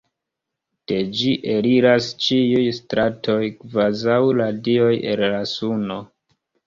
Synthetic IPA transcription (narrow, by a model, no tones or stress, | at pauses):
d̥e̞d͡ʒiʔeliɾast͡ʃiujstɾʔatʰo̞jkvazawladio̞jḛllasuno̞